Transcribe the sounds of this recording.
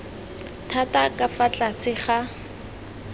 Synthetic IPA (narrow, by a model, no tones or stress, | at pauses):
tʰatakʼafat͡ɬʼasɪχa